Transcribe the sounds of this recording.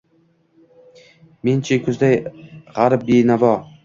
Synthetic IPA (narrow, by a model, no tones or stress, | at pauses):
ment͡ʃʰekʰʊzd̪ajʁaɾp̚benavɒ